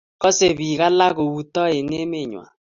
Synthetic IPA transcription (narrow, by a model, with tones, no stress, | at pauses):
kɔ˦se˨βi˨ɣa˦la˦ɣo˨wu˨tɔ˦e˨ne˦me˦˨ɲwa̰˨